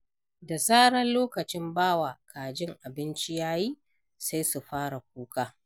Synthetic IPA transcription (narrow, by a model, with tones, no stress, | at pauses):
da˨saː˦ɽɐ˦nloː˦kɐ˨t͡ʃɪ˦mbaː˦waː˨kʰaː˨d͡ʒɪ˦ŋʔa˨bɪ˦nt͡ʃi˦jaː˦jiː˦ | sa˦jsu˨ɸaː˦ɽa˨k̚ʷuː˦kaː˦